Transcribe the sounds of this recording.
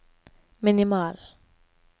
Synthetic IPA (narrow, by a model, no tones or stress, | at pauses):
mɪnɪmɑːl